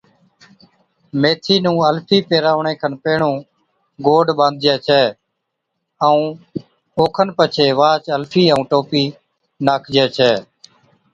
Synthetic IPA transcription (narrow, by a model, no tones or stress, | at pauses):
meːt̪ʰiːnũːəlpʰiːpeːɾaːʋɳẽːkʰənpeːɳũː | ɡoːɖɓə̃nd̪̚ʱd͡ʒɛːt͡ʃʰɛː | əũː | oːkʰənpət͡ʃʰeːʋaːt͡ʃəlpʰiːə̃ũːʈoːpiː | naːkʰd͡ʒɛːt͡ʃʰɛː